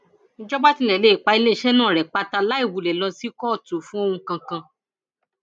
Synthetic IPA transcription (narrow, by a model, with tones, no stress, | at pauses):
n̩˦d͡ʒɔ˦ɡ͡ba˦tĩ˧˦lɛ˨le˨˦˨k͡pa˧i˧le˦˨ʃɛ˦nãː˦˨ɾɛ˨k͡pa˧ta˧la˦i˦˨wu˨lɛ˨lɔ̃˧si˦kɔ˦˨tu˨˦fũ˦o˦˧hũ˧kã˧kã˧